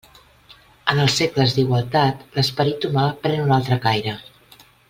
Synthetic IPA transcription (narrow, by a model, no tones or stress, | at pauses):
ənəlˠsːekləzd̪iɣwəlˠt̪at̪ləspəɾit̪umapɾɛnunalˠt̪ɾəkajɾə